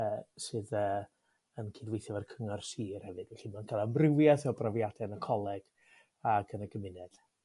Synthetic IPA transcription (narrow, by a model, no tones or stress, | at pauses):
əːsɨːðəː | ənkʰiːdwejθjɛvarkʰəŋarsiːrhɛvɨd̥wɛɬimankʰalˠamrɪwjaθɛbrɔvjadɛnəkʰɔlˠɛɡ̥ | aɡənəɡəmɪnɛd̥